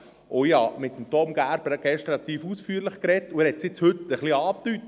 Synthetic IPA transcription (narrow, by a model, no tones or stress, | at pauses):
ʔoihɑ̰mɪt̪ːəmt̪ɔmɡ̥æɾbəɾɡ̥ɛʃt̪ɾɑt̪iːfusfyːɾləχkɾɛtːuæɾhɛt̪siɪt͡shɵt̪əχliɑːpt̪yt